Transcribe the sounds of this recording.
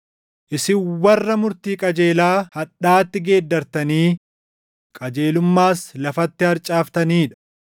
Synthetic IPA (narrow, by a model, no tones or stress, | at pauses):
ʔɪsɪwɐrːɐmʊɾt̪iːkʼɐd͡ʒe̞ːlaːhɐᶑːaːt̪ːɪɡeːd̪ːɐɾt̪ɐniː | kʼɐd͡ʒe̞ːlʊmːaːslɐfɐt̪ːɪhɐɾt͡ʃʼaːft̪ɐniːᶑɐ̥